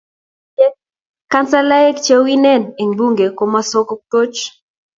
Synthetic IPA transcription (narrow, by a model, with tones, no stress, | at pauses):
kːa˦nsa˦la˦ɛ˦kt͡ʃɛ˦wi˦nɛ˦ne˨ŋbu˦ŋɡe˨ko˨ma˦sɔ˦kɔ˦k̚to˦t͡ʃ